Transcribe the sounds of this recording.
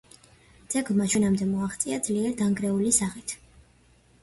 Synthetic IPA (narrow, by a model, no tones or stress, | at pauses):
d̪z̥ɛɡlˠmaʃwɛnamd̪ɛmɔaχt̪sʼiad̪zliɛɾd̪aŋɡɾɛulisaʁit̪ʰ